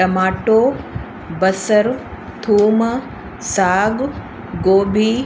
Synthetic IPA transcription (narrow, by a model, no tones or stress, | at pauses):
ʈɐmaːʈoː | bɐsəɾ | t̪ʰuːmɐ | saːɡ | ɡoːbʱiː